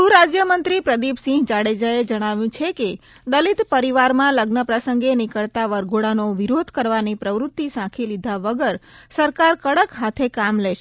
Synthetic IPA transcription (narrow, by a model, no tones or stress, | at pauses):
suɾad͡ʒjəmənt̪ɾipɾəd̪ipsɪ̃ɡd͡ʒaɽed͡ʒaed͡ʒəɽ̃aʋjũt͡ʃʰeke | d̪əlit̪pəɾiʋaɾmãləɡnəpɾəsəŋɡenɪkəɭt̪aʋəɾɡoɽanoʋiɾod̪ʱkəɾʋanipɾəʋɾʊt̪ːisãkʰilid̪ʱaʋəɡəɾsəɾkaɾkəɽəkɦat̪ʰekamleʃe